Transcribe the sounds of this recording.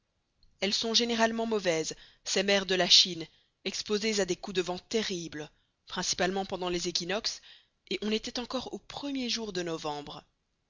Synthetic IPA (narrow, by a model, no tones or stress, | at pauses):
ɛlsɔ̃ʒeneʁalmɑ̃mɔvɛz | sɛmɛʁd̪əlaʃin | ɛkspozezad̪ekud̪əvɑ̃t̪eʁiblə | pχɛ̃si̥palmɑ̃pɑ̃d̪ɑ̃lezekʲinɔks | eʔɔ̃net̪ɛt̪ɑ̃kɔʁopχəmjeʒuʁd̪ənɔvɑ̃bʁə